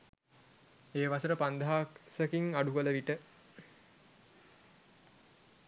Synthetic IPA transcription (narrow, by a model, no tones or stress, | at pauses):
eːʋasəɾəpand̪ʱaːksəkiŋaɖukələʋiʈə